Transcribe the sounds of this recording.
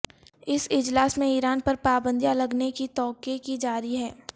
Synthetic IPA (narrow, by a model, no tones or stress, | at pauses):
ɪsɪd͡ʒlaːsmẽiːɾaːnpɐɾpaːbə̃nd̪jãlɐɡnekit̪ɔːkekid͡ʒaːɾiɦɛː